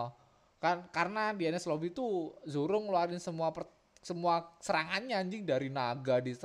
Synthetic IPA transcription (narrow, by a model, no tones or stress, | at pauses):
kakaɾənadianɛslobit̪uzuɾʊŋloaɾɪnsəmuapə | səmuasəɾaŋanɲaɲd͡ʒɪŋdaɾinaɡadi